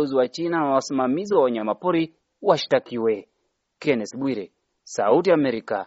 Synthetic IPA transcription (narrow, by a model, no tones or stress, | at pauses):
ɔziwat͡ʃinanawasimamiziwawaɲamapuɾi | waʃi̥takiwɛ | kɛnɛsɓwiɾɛ | sautiamɛɾika̰